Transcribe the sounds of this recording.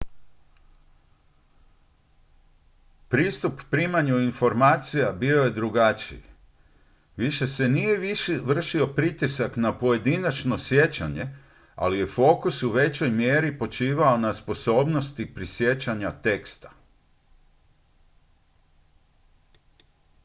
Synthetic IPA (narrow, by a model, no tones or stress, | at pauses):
pɾiːst̪upːɾiːmaɲuinfo̞ɾmaːt̪sijabio̞je̞d̪ɾuɡat͡ʃḭi | ʋiʃe̞se̞nije̞ʋiʃiʋr̩ʃio̞pɾit̪isaknapo̞je̞d̪inat͡ʃno̞sje̞t͡ɕaɲe̞ | a̰lije̞fo̞ːkusuʋe̞t͡ɕo̞jmjeːɾipo̞t͡ʃiːʋao̞naspo̞so̞ːbno̞st̪ipɾisje̞t͡ɕaɲat̪e̞kst̪ḁ